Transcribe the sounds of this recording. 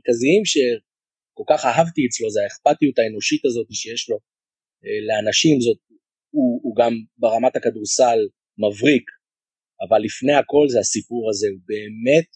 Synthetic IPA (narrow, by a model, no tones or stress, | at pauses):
kaziimʃe̞ | ko̞lkaχaɦavt̪iɛt͡slo̞zeaeχpatijutae̞no̞ʃitazo̞t̪iʃejeʃlo̞ | ele̞anaʃimzo̞t̚ | uːɡambeʁamatakaduʁsal | mavʁik | avalːifne̞ako̞lzeasipuʁaze̞ube̞ːme̞t̚